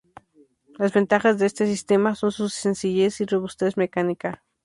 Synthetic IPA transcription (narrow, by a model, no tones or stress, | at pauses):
lazβe̞nt̪axazðeest̪esist̪emasonsusensiʝesiroβust̪e̞smekanika